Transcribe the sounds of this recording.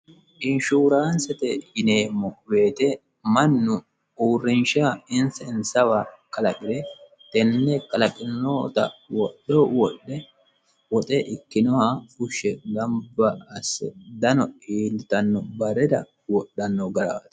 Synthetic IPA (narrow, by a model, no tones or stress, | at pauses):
ʔɪnʃuːɾansɛt̪ɛjɪneːmːɔbe̞ːt̪ɛ | mɐnːʊ | uːrːɪnʃaɪnsɐɪnsɐwakʼɐlɐkʼɪd̪ɛ | t̪ɛnːɛkʼɐlɐkʼɪnnoːt̪ɐ̰wɔɗowɔɗɛ | wɔt̪ʼɛʔɪkːɪnɔhafʊʃːɛɡɐmbɐːsːɛ̰d̪ɐnɔiːlːɪt̪ɐnːɔbɐɾɛd̪ɐ̰ | wɔɗːɐnːɔɡɐɾat̪